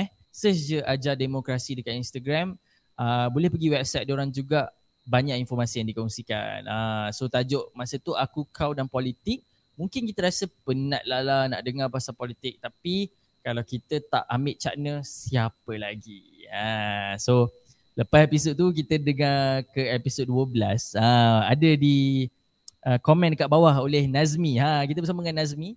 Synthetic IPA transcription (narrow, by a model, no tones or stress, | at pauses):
ɛh | səsd͡ʒəʔad͡ʒademokɾasidəkaninst̪aɡɾam | əbolɛhpəɡiwɛp̚sajt̪̚doɾaŋd͡ʒuɡaʔ | baɲaʔinfɔrmasijaŋdikɔŋsika̰nasot̪ad͡ʒoʔmasət̪uʔakukʰawdanpɔlit̪ɪk̚ | mũŋkɪnkit̪əɾasəpənãʔ̪̚lalana̰ʔdəŋarpaasapɔlit̪ɪk̚t̪api | kalawkit̪ət̪a̰ʔambɪʔ̚t͡ʃa̰ʔnəsiapəlaɡi | ãso | ləpasepisot̪uk̬it̪ədəŋarkəɛpisot̪̚duəbəlasãadədi | ʔəkomɛ̃ndəkaʔbawaɦolɛhnazmiãkit̪əbəsaməŋanːaz̬mi